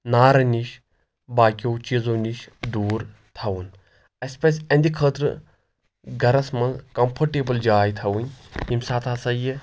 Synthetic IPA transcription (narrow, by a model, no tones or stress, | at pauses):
naːɾɐniʃ | baːkʲowt͡ʃizoːniʃd̪uːɾ | t̪ʰɐwun | ɐsʲpɐsʲɐnʲd̪ʲikʰəːt̪ɾɨ̰ | ɡɐɾɐsmɐlkɐmpʰɐɾʈeːbɐld͡ʒaːjt̪ʰɐʋunʲɦimsaːt̪ʰaːsɐjɨ